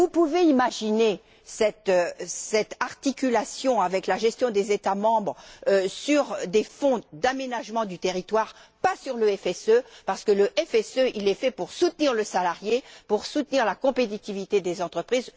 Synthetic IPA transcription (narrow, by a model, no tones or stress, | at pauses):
vupuveimaʒine | sɛt̪sɛt̪aʁt̪ikʲylasjɔ̃avɛklaʒɛst̪jɔ̃d̪ezet̪amɑ̃bʁsyʁd̪efɔ̃d̪amenaʒmɑ̃d̪yt̪eʁit̪waʁpasyʁləɛfɛsøpaʁsə̥kələʔɛfɛsøʔilɛfɛpuʁsut̪niʁləsalaʁjepuʁsut̪niʁlakɔ̃pet̪̬it̪ivit̪ed̪ezɑ̃t̪χəpχiz